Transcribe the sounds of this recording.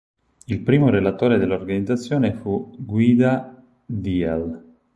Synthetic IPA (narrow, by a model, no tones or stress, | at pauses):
ilpɾiːmoɾelat̪oːɾed̪elːorɡanid̪zat̪sːjoːnefuɡwiːd̪a | d̪ial